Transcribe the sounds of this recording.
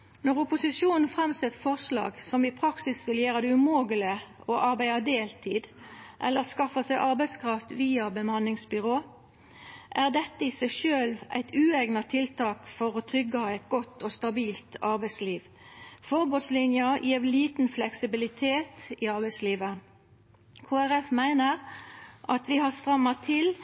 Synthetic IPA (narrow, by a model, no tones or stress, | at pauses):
nɔʁʊpʊsɪsuːnn̩fʁɛmsɛt̪ːfɔʁslɑ̰ːɡsɔmɪpʰʁɑksɪsʋɪljeːʁəd̪ɛʉmoːɡələ | ɔʔɑʁbæɪɑd̪eːlt̪ʰiːd̪ʔɛlːəʁskɑfəsæɪʔɑʁbæɪskʰʁɑft̪ʋiːɑbəmɑnɪŋsbʏʁoː | ʔæʁd̪ɛt̪ːəisæɪʃøːlʋæ̰ɪt̪ʉːeɡnɑt̪ʰɪlt̪ɑːkfɔʁot̪ʰʁʏɡːɑɑæɪt̪ɡɔt̪ːɔst̪ɑbiːlt̪ɑʁbæɪsliːʋ | fɔʁbʉt̪slɪnjəjiːʋliːt̪n̩flɛksɪbɪlɪt̪ʰeːt̪iɑʁbæɪsliːʋə | kʰoːæʁɛfmæɪnəʁʔɑt̪ʋɪhɑʁst̪ʁɑmːɑt̪ʰɪl